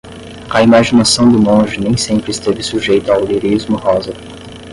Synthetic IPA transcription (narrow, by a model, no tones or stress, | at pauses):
ɐimaʒinasɐ̃w̃d̪ʊmõʒɪnẽj̃sẽmpɾɪst̪evɪsuʒejt̪ʊawliɾizmʊhɔzɐɾ